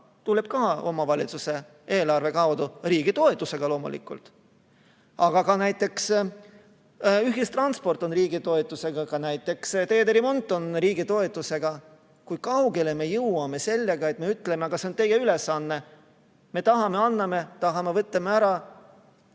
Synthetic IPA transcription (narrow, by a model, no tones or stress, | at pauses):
t̪ulːe̞b̥kɑːo̞mɑvɑlʲit̪suse̞ | eːlɑrve̞kɑwd̪uriːɡ̥it̪o̞e̞t̪ːˑuseɡ̥ɑlo̞ːmṵlḭkːˑṵlt̪ | ɑɡ̥ɑkɑnæjt̪ːˑe̞ks | yɦjist̪rɑnspo̞rt̪ˑo̞nriːɡit̪o̞et̪ːˑuse̞ɡ̥ɑkɑnæjt̪ːˑe̞kst̪e̞ːd̪eɾimo̞nt̪ːˑo̞nɾiːɡit̪o̞e̞t̪ːˑuse̞ɡ̥ɑ | kujkɑwɡe̞leme̞jɯwɑme̞se̞lʲːe̞ɡ̥ɑe̞t̪me̞yt̪ːle̞meɑɡ̥ɑseo̞nt̪e̞jeyle̞sːɑnːe̞ | me̞t̪ɑɦɑme̞ɑnːɑme̞t̪ɑɦɑmevɤt̪ːˑɑmeæɾɑ